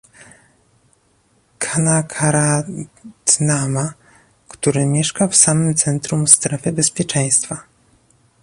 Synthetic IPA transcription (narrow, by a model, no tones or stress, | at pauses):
kʰanakʰaɾat̪nama | kt̪uɾɘmʲjɛʂkafsamɘmt̪sɛnt̪ɾumst̪ɾɛfɘbɛspʲjɛt͡ʂɛ̃j̃st̪fa